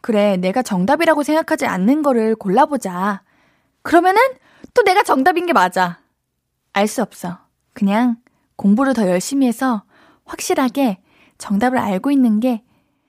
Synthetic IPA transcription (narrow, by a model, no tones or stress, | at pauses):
kɯɾe̞ne̞ɡat͡ɕʌŋdabiɾaɡosʰe̞ŋɡakʰad͡ʑia̰nːɯnɡʌɾɯɭkoɭːabod͡ʑa | kɯɾʌmjʌnɯn | t͈one̞ɡat͡ɕʌŋdabinɡe̞mad͡ʑa | aɭs͈uʌp̚s͈ʌ | kɯɲaŋ | koŋbuɾɯtʌjʌɭɕ͈imie̞sʰʌ | ɸwak̚ɕ͈iɾɦaɡe̞ | t͡ɕʌŋdabɯɾaɭɡoinːɯnɡe̞